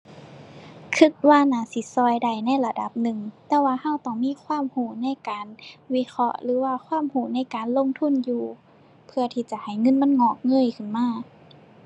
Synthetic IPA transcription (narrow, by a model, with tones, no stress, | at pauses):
kʰɯ˧˩k̚waː˧˩˨naː˧˩si˧˦sɔː˧˩jda˧˩jna˧˥˨jla˧da˧˦p̚nɯ˨˩ŋt̪ɛː˧waː˧˨ha˧˥˩wt̪ɔː˧˩ŋmiː˧˥˨kʰwaː˧˥˨mhuː˧˩na˧˥˨jkaː˨˦nwi˧˥˨kʰɔ̰˧˥ʔlɯː˨˦waː˧˩kʰwaː˧˥˨mhuː˧˩na˧˥˩jkaː˨nlo˧˥˨ŋt̪ʰu˧˥˨njuː˧ | pʰɯ˧ɐt̪ʰiː˧˩t͡ɕa˧˦ha˨˩jŋɤ˧˥˨nma˧˥˨nŋɔː˧˩k̚ŋɤː˧˥˨jkʰɯ˧˩˨nmaː˧˥˩